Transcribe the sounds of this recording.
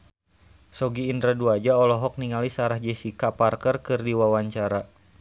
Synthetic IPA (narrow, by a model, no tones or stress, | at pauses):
sɔɡiːndɾaduad͡ʒaɔlɔɦɔk̚niŋalisaɾahd͡ʒɛsikaparkərkɨrdiwawaɲt͡ʃaɾa